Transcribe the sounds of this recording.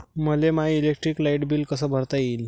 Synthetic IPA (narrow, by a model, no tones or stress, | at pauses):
məlemailek̚ʈɾiklaiʈbiːlkəsəːbʱəɾt̪ajiːl